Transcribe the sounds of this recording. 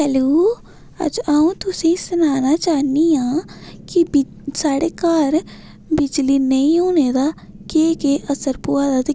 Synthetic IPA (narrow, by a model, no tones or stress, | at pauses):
hɛloː | ɐ̰d͡ʒaːũt̪ʊsẽsʊnaːnat͡ʃaːniãːkib | saːɽekaːɾ | bɪd͡ʒlinɐĩɦoːned̪a | keːkeʔɐsəɾpuːad̪at̪